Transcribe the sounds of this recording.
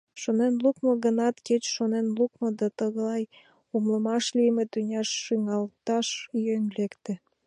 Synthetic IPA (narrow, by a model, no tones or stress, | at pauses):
ʃonenlukmoɣənɑt̪ket͡ɕʃonenluk̚mŏd̪ɑt̪əɣəlɑj | umləmɑʃlimet̪ynʲɑʃːyŋɑlt̪ɑʃjønlekt̪ĕ